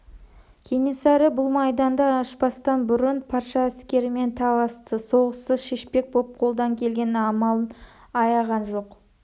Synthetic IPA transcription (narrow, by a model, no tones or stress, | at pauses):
kʲʰene̞sɑɾəbʊlˠmɑjd̪ɑnd̪ɑːʃpɑst̪ɑnbʏɾɪnpʰɑɾʃɑæskʲe̞ɾɪme̞nt̪ʰɑlˠɑst̪əso̞ʁəsəzʃe̞ʃpe̞k̚bop̚qʰo̞lˠd̪ɑŋkʲʰe̞lɡʲe̞nɪɑmɑlˠən | ɑjɑʁɑnʒo̞q